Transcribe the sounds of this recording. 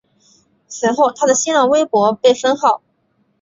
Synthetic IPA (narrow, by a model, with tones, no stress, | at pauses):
t͡sʰɹ̩˧˥xo˥˩ʊt̪ʰa˥d̪ə˨ɕi˥nɑ˥˩we˥ɪpwɔ˧˥pe˥˩ɪfə˥nxɑ˥˩ʊ